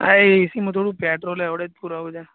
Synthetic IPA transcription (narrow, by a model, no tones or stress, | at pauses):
aeisimũt̪ʰoːɽũpɛʈɾoleʋɽed͡ʒ̚puɾaʋũd͡ʒa